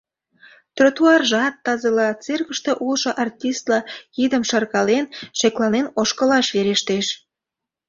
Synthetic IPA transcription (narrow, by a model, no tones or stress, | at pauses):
t̪rot̪uɑrʒɑt̪ːɑzəlɑt͡serkə̆ʃt̪eʔulʃŏʔɑrtʲist̪lɑid̪əmʃɑrkɑlenʃeklɑnenoʃkə̆lɑʃβeɾeʃt̪eʃ